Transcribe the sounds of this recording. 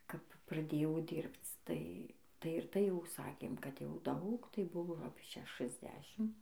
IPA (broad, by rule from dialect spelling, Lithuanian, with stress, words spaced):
kɐp prɐˈdʲeːjɛʊ ˈdʲiːrpt͡s ˈtɐɪ ˈtɐɪ ɪr ˈtɐɪ jɛʊ ˈsɑːkʲeːm ˈkɐt jɛʊ ˈdɐʊk tɐɪ ˈbʊʋoː ɐpʲiɛ ˌʃʲæːʃɨzʲˈdʲæːʃʲɪm